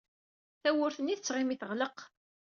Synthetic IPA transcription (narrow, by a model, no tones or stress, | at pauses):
θæwʊɾθənːiθət͡sːʁimiθəʁləq